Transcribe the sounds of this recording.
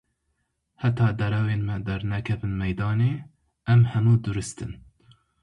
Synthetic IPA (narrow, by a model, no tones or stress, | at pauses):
hɛt̪ɑːd̪ɛɾɛweːnmɛd̪ɛɾnɛkʰɛbɨnmɛjd̪ɑːneː | ɛmhɛmuːd̪ɨɾɨst̪ɨn